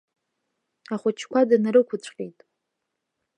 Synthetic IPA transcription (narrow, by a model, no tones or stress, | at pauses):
aχʷʊt͡ʃʰkʷadanaɾɨkʷʰʊt͡ɕʷʰʼqʲʼejtʼ